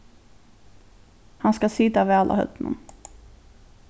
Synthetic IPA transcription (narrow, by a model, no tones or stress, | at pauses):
hanskasɪt̪ːavɛalʔa̰hœ̰t̪nə̰n